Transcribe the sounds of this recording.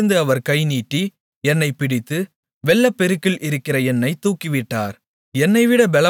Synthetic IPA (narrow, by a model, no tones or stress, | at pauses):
ɯnd̪ɯɐʋɐɾkɐɪniːʈːi | ɛnːɐɪpɪɽɪt̪ːɯ | ʋɛɭːɐpːɛɾɯkːɪlʔɪɾɯkːɪrɐɛnːɐɪt̪uːkːɪʋɪʈːa̰ːɾ | ɛnːɐɪʋɪɽɐbɛlɐ